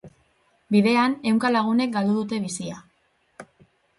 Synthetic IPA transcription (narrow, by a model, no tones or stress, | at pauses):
biðe̞ane̞wŋkalaɣ̞une̞k̚ɡald̪uðut̪e̞β̞isia